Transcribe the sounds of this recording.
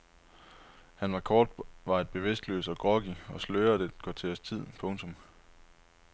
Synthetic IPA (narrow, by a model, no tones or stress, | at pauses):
hænsʁɑkʰɒːd̥ʋɑ̈e̝d̥̚b̥e̝ʋe̝sd̥lø̰ːsɒɡ̥ʁɒ̽ɡ̥iɒ̽sløːɐd̥eɡ̥ɒt͡sʰe̝ɒst͡sʰið̞̰ˠpʰɔ̽ŋt͡sʰɔ̽m